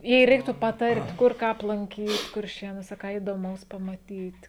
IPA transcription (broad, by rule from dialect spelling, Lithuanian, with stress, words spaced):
jɛɪ ˈrʲɛɪktuː pɐˈtɐrʲtʲ ˈkʊr ˈkɑː ɐplˠɐŋʲˈkʲiːt kʊrʲˈʃʲeːnuɔsʲɛ ˈkɑː iːdoːˈmɐʊs pɐmɐˈtʲiːt